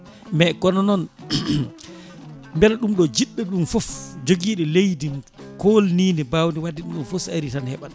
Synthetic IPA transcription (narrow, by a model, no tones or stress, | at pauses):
mɛkɔnɔnɔn | mbɛlaɗumɗɔd͡ʒiɗːɛɗumfɔfd͡ʒoɡiːɗɛlejdim | kolniːnɛbawndiwadːiɗumɗɔnfosa̰ɾitanhɛɓaɗ